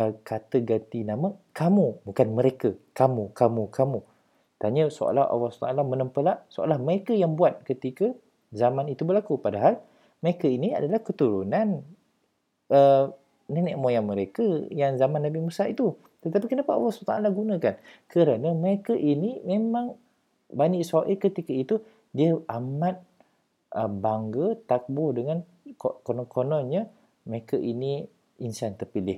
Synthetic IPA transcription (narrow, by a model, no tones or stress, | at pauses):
əkat̪əɡat̪inaməkamubukanməɾekəkamukamukamu | t̪aɲəso̰a̰laha̰wahst̪aalamə̃nəmpəlaʔsoʔa̰lahməɾekəjaŋbuat̪̚kət̪ikə | zamanit̪ubəlakupadaɦal | məɾekəinia̰dalahkət̪uɾunan | ə | nənɛʔmojaŋməɾekəjaŋzamanːabimusait̪u | t̪ət̪apikənəpaʔwasət̪aʔalaɡunə̃kankʰəɾanəməɾekəʔinimemaŋ | baniʔsaʔikət̪ikəit̪u | diəamat̪̚ | ʔəbaŋɡət̪ak̚bʊhdəŋan | konɔnkonɔnɲə | məɾekəʔini | insant̪ərpilɪh